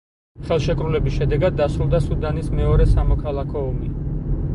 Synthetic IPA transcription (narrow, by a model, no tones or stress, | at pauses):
χɛlˠʃɛkʼɾulɛbisʃɛd̪ɛɡad̪ːasɾulˠd̪asud̪anismɛɔɾɛsamɔkʰalˠakʰɔɔmi